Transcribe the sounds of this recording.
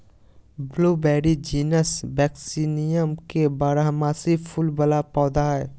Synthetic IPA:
bluːbɛːɾid͡ʒiːnəsbɛːksiːnijəmkebaːɾaɦmaːsipʰʊlbəlapɔːd̪aɦɛː

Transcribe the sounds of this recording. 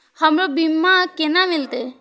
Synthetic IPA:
həmɾobimːakenamɪlt̪e

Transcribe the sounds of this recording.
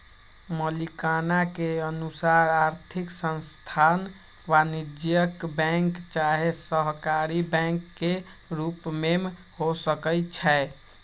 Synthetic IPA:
məlikanakeənusaɾaɾt̪ʰiksə̃nst̪ʰan | ʋanid͡ʒjəkbɛ̃ŋkt͡ʃaɦesəɦkaɾibɛ̃ŋkːeɾupmem | hosəkəjt͡ʃʰɛ

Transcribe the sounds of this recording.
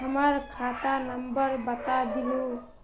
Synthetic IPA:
ɦəmʌɾkʰat̪anəmbəɾbət̪ad̪ilo

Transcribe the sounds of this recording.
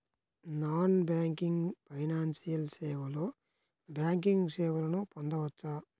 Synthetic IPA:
naːnbaːŋkiŋɡpʰɐjnaːnsijɐlseːʋɐloː | bjaːŋkiŋɡseːʋɐlɐnupond̪ɐʋɐt͡ʃːaː

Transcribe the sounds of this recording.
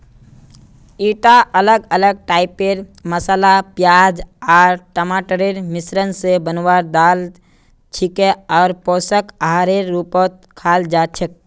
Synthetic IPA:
iʈaʔələɡələɡ̚ʈaɪpeɾməsalapjad͡ʒaɾʈəmaʈəɾeɾmisɾənsebənwaɾd̪al | t͡ʃʰikeɔːɾpɔsəkaɦaɾeɾːupɔt̪̚kʰald͡ʒat͡ʃʰək̚

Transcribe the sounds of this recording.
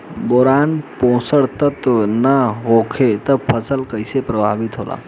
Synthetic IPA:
boɾanpowsəɽt̪ət̪nəɦokʰet̪ʌpʰʌsəlkəjsepɾəbʱabit̪ɦola̰

